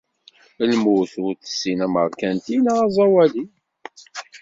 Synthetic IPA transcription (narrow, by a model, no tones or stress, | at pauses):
əlmuθʊɾθə̥sːinæmə̰ɾˤkænt̪inaʁɑzˤɑwæli